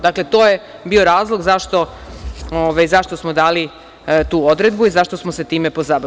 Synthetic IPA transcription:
d̪akle̞t̪oːje | biːoɾaːzlˠo̞ɡzaʃt̪o̞ | oʋajzaʃt̪o̞smod̪aːli | t̪uːod̪ɾe̞d̪buizaʃt̪osmose̞t̪iːme̞po̞zab

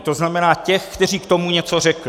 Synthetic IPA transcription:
t̪oznamɛnaːcɛxkt̪ɛr̝iːkt̪o̞muɲɛt͡so̞rɛklɪ

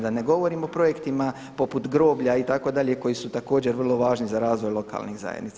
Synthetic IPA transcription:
d̪ane̞ɡo̞ʋo̞ɾiːmo̞pɾo̞je̞kt̪ima | po̞put̪ɡɾo̞ːbʎait̪ako̞d̪aʎe̞ko̞jisut̪ako̞ːd͡ʑeɾʋr̩lˠo̞ʋaːʒnizaɾaːzʋo̞jlˠo̞ka̰ːlˠnixza̰jḛnit̪sa

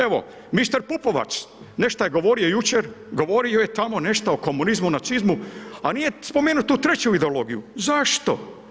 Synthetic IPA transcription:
e̞ʋo̞̰ | mist̪aɾpupo̞ʋa̰t͡ʃ̪ | ne̞ʃt̪ajeɡo̞ʋo̞ɾio̞jut͡ʃeɾɡo̞ʋoɾiojet̪amo̞ne̞ʃt̪aoko̞munizmunat̪sizmuanijespo̞meːnut̪ut̪ɾe̞t͡ɕuid̪eolo̞ɡijuzaʃt̪o̞̰

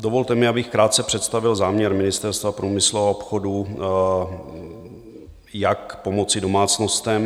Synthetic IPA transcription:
dovolt̪ɛmɪabɪxkɾaːt̪̚t͡sɛpr̝̥ɛt̪st̪avɪlzaːmɲɛɾmɪnɪst̪ɛɾst̪vapɾuːmɪslooopxodu | jakpo̞mo̞t͡sɪdo̞maːt͡sno̞st̪ɛm

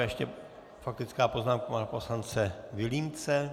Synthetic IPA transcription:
jɛʃcɛ | fak̚t̪ɪt͡skaːpo̞znaːmkaapo̞slant͡sɛvɪlimt͡sɛ

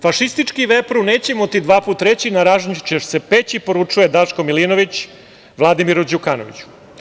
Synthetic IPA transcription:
faʃist̪it͡ʃkiʋepɾune̞ːt͡ɕemot̪id̪ʋaːpuːt̪ːɾe̞t͡ɕinaɾaʒɲt͡ʃeʃsepet͡ɕipo̞ɾut͡ʂuje̞d̪aʃkomilino̞ʋit͡ɕ | ʋlˠad̪imiɾud͡ʑukano̰ʋḭt͡ɕu̥

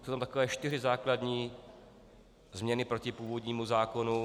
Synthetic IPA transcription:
sowt̪amt̪akovɛːʃt̪ɪrɪzaːkladɲiː | zmɲɛnɪpɾo̞cɪpuːvo̞dɲiːmuzaːko̞nu

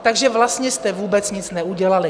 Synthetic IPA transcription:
t̪aɡʒɛvlast̪ɲɛst̪ɛvuːbɛt͡sɲɪt͡snɛʔuɟɛlalɪ

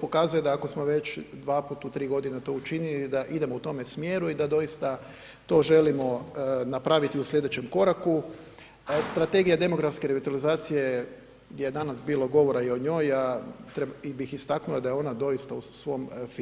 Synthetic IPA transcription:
po̞kazuje̞d̪aːko̞smo̞ʋe̞t͡ʃd̪ʋaːput̪ut̪ɾiːɡo̞d̪inat̪o̞ut͡ʃinilid̪aʔid̪e̞mout̪o̞me̞smjeːɾuid̪ad̪o̞jist̪a | t̪o̞ːʒe̞limo̞napɾaʋit̪iuslʎʲed̪e̞t͡ʃe̞mko̞ɾaku | st̪ɾat̪e̞ɡijad̪e̞mo̞ɡɾafske̞ɾeʋit̪alizaːt̪sije̞ | ɡd̪jeed̪anasbiːlˠo̞ɡo̞ʋo̞ɾaio̞ɲo̞jat̪ɾeibixist̪aknulˠad̪ajeo̞nad̪o̞jist̪ausʋo̞mf

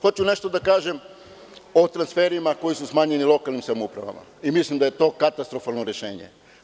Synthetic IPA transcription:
xo̞t͡ɕune̞ʃt̪o̞d̪akaːʒe̞m | o̞t̪ɾansfe̞ɾimako̞jisusmaːɲe̞nilˠo̞kalnimsamoupɾa̰ʋa̰ma̰imislimd̪aje̞t̪o̞ːkat̪ast̪ɾo̞falˠno̞ɾe̞ʃe̞ːɲe̞̰

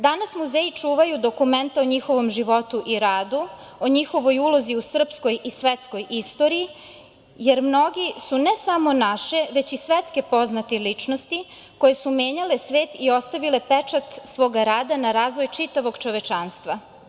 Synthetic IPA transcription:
d̪anasmuzeːjit͡ʂuːʋajud̪o̞kument̪aoɲixo̞ʋo̞mʒiʋo̞t̪uʔiɾaːd̪u | oɲixo̞ʋo̞julo̞ziusr̩psko̞jisʋet̪sko̞jʔist̪o̞ːɾii | je̞ɾmno̞ɡisunesamo̞naʃe̞ʋe̞t͡ɕisʋet̪skepo̞znat̪elit͡ʂno̞st̪i | ko̞jesumeːɲale̞sʋe̞ːt̪io̞st̪aʋilepet͡ʂat̪sʋo̞ːɡaɾaːd̪anaɾaːzʋo̞jt͡ʃit̪aʋoɡt͡ʃo̞ʋet͡ʃanst̪ʋa

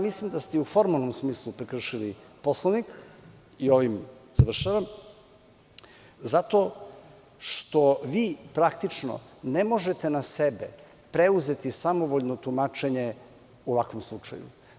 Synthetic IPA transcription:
mislimd̪ast̪eufo̞ɾmalˠnomsmiːslˠupɾekr̩ʃiliposlˠanik | io̞ʋimz̥aʋr̩ʃaʋam | zat̪o̞ | ʂt̪o̞ʋiːpɾakt̪it͡ʃno̰ne̞mo̞ʒe̞t̪e̞nase̞bḛ | pɾe̞uze̞t̪isamo̞ʋoʎnot̪umat͡ʃe̞ɲe | uʋakʋomslˠut͡ʃa̰jṵ

